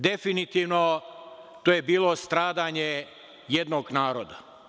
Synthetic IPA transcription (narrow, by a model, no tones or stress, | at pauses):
d̪e̞finit̪iːʋno̞ | t̪oːjebiːlˠo̞st̪ɾaːd̪aɲe | jed̪noɡnaːɾod̪a